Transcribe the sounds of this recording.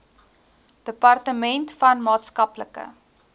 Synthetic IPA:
d̥əpɐrtəmɛntfɐnmɑːtskɐpləkə̰

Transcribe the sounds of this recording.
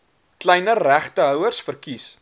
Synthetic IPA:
klɛjnəræχtəɦœwərsfərkis

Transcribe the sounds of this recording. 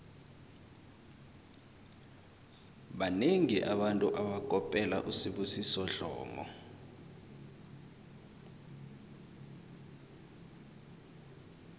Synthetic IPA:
ɓaneŋiʔaɓantʼuʔaɓakʼɔpʼɛla̰ʔusiɓusisɔɮɔ̰ːmɔ̰

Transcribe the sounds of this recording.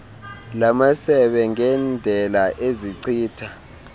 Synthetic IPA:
lamasɛɓɛŋɛnd͡ɮʱɛlaʔeziǀiːtʰa

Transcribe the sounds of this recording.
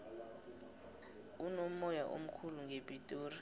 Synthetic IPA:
unom̩ɔjaʔo̰m̩kʰuluŋɡʱepʼitʼuːri

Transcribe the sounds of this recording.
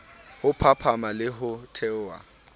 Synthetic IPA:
hʊpʰapʰamalɪɦʊtʰɛwa̰

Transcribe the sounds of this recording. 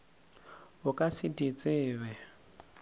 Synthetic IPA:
ɦʊkʼasidit͡sʼɪːβɛ

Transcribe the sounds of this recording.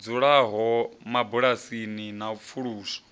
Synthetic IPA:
d͡zuɺaɦɔmabuɺasininap̪fʰuɺuːsɔ̥

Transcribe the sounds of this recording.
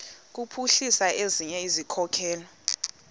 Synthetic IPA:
k̬upʰuɬisaeziɲɛizikʰɔkʰɛːlɔ

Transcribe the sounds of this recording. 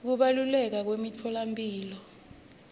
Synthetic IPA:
k̬uɓalulɛk̬ak̬wemit͡fʰɔlampʼiːlɔ

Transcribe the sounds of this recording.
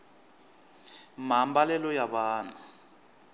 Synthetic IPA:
m̤ambalɛlɔjaβaːna

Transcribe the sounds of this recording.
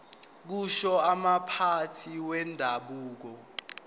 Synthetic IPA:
k̬uʃɔamapʰatʰiwɛndʱaɓuːk̬ɔ

